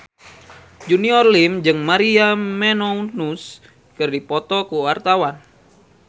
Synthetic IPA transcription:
d͡ʒuniɔrlimd͡ʒɨŋmaɾiamɛnɔnus | kɨrdipɔt̪ɔkuwart̪awan

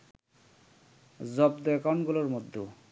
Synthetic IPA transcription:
zɔb̚d̪ɔɛkanɡuloɾmod̪ʱːo

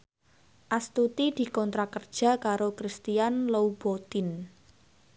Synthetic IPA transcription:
ʔast̪ut̪id̪̥i̤kɔnt̪ɾakərd̥ʒ̥ä̤kaɾokɾist̪ianloub̥ot̪in

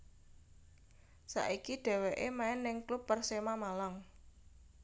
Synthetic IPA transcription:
sa̰ʔikiɖ̥ɛ̤weʔemaɪnːɪŋklupːərsemamalaŋ

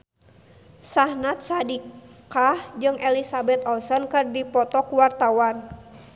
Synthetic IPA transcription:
sahnat̪̚sadikahd͡ʒɨŋʔɛlisabɛt̪ɔlsɔnkɨrdipɔt̪ɔkuwart̪awan

